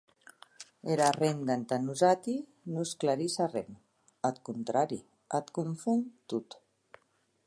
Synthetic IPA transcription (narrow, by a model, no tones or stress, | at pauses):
eɾarend̪ant̪anuzat̪i | nusklaɾisarem | at̪kunt̪ɾaɾi | at̪kuɱfunt̪ut̪